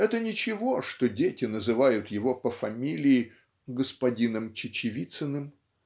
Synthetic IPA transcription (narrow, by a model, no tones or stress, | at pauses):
ɛt̪ənʲɪt͡ɕɪvoʂt̪odʲetʲɪnəzɨvajʊt̪jɪvo̞pəfɐmʲilʲɪː | ɡəspɐdʲinəmt͡ɕɪt͡ɕɪvʲit̪sɨnɨm